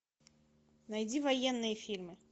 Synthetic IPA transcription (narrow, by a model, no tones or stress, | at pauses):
nɐjdʲivɐjenːɨjəfʲirmɨ